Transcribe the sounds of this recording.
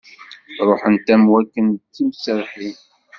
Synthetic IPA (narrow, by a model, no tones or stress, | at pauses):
ɾˤoħənt̪æmwækːənt͡sːimsəɾħi